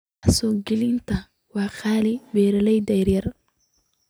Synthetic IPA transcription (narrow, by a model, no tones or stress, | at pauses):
asɔːɡɪlɪnt̪ʰɐ | waːxaːlɪbɛːɾɐlɛjd̪ɛjɾjɐr